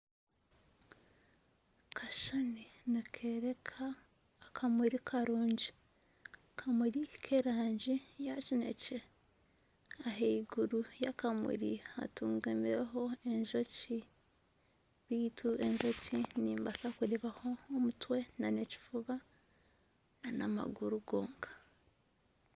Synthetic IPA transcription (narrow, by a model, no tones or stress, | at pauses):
kʰaʃaninakʰeːɾekʰaː | kʰamuɾikʰaɾuːɲɟi | kʰamuɾikʰeɾaːɲɟijat͡ʃinḛce | aɦeiɡuɾujakamṵɾḭa̰tuːŋɡamiɾeɦo̞e̞ɲʒo̞ci | βiːtʰue̞ɲʒo̞ciniːmbasakuɾeβaho̞ːmutwe̞naneci̥fuβa | nanama̰ɡuɾuɡo̞ːŋɡḁ